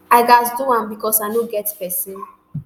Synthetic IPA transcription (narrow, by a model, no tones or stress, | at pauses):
aɪɡasduãmbikɔsaɪnoɡɛtpɛsĩn